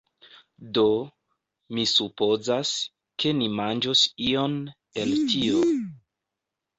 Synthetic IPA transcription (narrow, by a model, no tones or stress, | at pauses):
do̞ | misupo̞zas | kʰe̞nimand͡ʒosio̞n | e̞ltʰio